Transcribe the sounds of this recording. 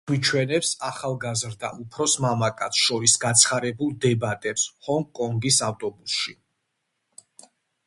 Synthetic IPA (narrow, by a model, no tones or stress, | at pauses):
it͡ʃʰwɛnɛpsaχalˠɡazɾd̪a̰ʔupʰɾɔsmamakʼat̪sʰʃɔisɡat̪sʰχaɾɛbulˠd̪ɛbat̪ʼɛpshɔŋɡkʼɔŋɡisaft̪ʼɔbusʃi